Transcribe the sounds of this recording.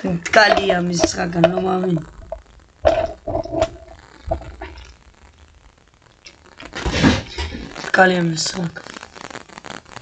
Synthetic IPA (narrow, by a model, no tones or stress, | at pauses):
t̪kʼalijamiskakanlɔmamin | tkʼalijamisrakḁ